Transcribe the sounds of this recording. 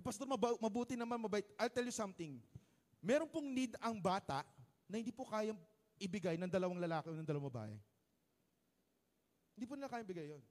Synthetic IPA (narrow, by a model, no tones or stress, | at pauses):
pɐst̪oɾmɐbmɐbuːt̪ɪnɐmanmɐbɐt̪ʔajlt̪ɛljʊsɐmt̪ɪŋ | mɛːɾonpoŋnid̪ɐŋbaːt̪ɐʔ | nɐhɪnd̪iːpokaːjɐ | ʔɪbɪɡajnɐŋd̪ɐlɐwaŋlɐlaːkɪonɐŋd̪ɐlɐwamɐba̰ːʔɛ̰ | hɪnd̪iːp̬ʊnɪlakaːjaɐŋbɪɡajːon